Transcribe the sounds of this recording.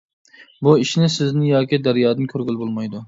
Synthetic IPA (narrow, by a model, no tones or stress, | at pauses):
buiʃnɪsɪznɪŋjɑːkʲid̪æɾjɑːd̪ɨnkʲʰøɾɡʲylbolˠmɑjd̪u